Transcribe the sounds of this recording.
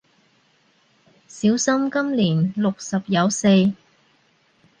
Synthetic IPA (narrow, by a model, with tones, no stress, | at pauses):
siː˨˥wsɐ˥mkɐ˥mliː˨˩nlʊ˨k̚sɐ˨p̚jɐ˨˧wse˧j